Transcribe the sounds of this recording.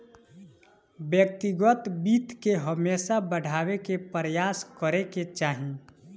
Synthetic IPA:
bjək̚t̪iɡət̪biːt̪keɦəmeːsabəɽʱaːwekepəɾjaːskəɾeket͡ʃaːɦĩ

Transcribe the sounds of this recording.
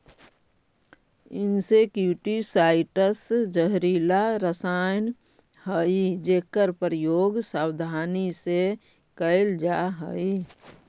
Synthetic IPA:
ɪnsekjuʈisaːɪʈəsd͡ʒəɦɾiːlaɾəsaːjn | həid͡ʒeːkəɾpəɾjoːɡsaːwd̪ʱaːnise | kəɪld͡ʒaɦəi

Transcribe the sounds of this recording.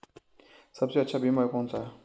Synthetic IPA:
sɐbseɐtːʃʰabʱimaekɔːnsaː

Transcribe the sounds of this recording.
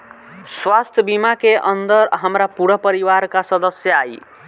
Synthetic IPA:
swast̪ʰjəbimakeʔənd̪əɾɦəmɾapuɽəpəɾiʋaɾkasəd̪əsjəai

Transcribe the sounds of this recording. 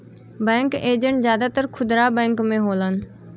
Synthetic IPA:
bɛ̃ːŋkeːd͡ʒəɳʈzjaːd̪aːt̪əɾkʰʊd̪ɾaːbɛ̃ːŋkmẽɦoːlən̆

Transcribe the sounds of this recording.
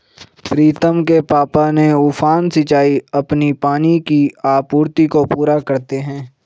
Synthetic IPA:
pɾiːt̪əmkepaːpaneuːfaːnsɪt͡ʃaːiɐpnipaːnikiaːpuːɾt̪ikopuːɾakɐɾt̪eɦɛ̃ː

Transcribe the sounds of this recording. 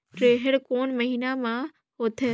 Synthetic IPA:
ɾeːɦəɽkoːnməɦiːnamã | ɦoːt̪ʰeː

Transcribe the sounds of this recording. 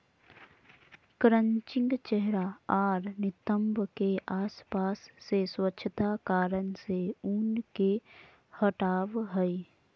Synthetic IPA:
kɾə̃ɲt͡ʃɪ̃ŋɡt͡ʃɛɦɾaaːɾnɪt̪əmbkeʔaːspaːsːeswətːʃʰət̪akaːɾənseuːnke | həʈaːʋɦɛi

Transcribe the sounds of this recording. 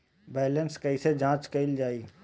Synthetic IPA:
bɛːlənskɐised͡ʒãːt͡ʃkɐɪld͡ʒaːiː

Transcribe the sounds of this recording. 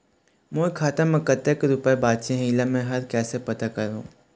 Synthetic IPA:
moːkʰaːt̪amɐkət̪ːəkɾʊpebaːd̪ʃẽɦiːlamẽɦɐɾkɛːsepɐt̪akɐɾõ̰ː

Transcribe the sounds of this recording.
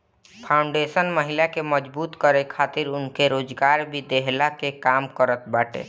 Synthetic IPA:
pʰaʊɳɖesənməɦilakeməd͡ʒbuːt̪kəɾekʰat̪iɾʊnkeɾoːd͡ʒɡaːɾbʱid̪eɦlakekamkəɾət̪baʈḛ

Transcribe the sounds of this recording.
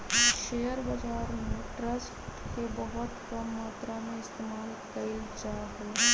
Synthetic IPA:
ʃeːjəɾbəd͡ʒaːɾmeʈɾəsʈkebəɦʊt̪kəmmaːt̪ɾamẽɪst̪eːmaːl | kəid͡ʒaɦɛ

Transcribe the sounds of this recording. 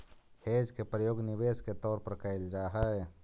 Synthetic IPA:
heːd͡ʒkepɾəjoːɡnɪweːsket̪ɔːɾpɐɾkaɪld͡ʒaːɦəɛ

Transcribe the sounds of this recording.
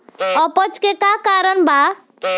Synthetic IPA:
ʌpət͡ʃkekakaɾənba

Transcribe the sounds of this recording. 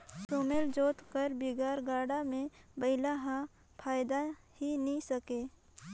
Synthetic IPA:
soːmeld͡ʒoːt̪kəɾbiɡaːɾɡaːɽamẽbɐɪlaɦã | pʰaːjd̪a | hinisəkeː

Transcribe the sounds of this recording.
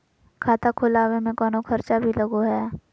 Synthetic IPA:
kʰaːt̪akʰʊlaːwemẽkɔːnokʰɐɾt͡ʃabʱilɐɡoɦɛː

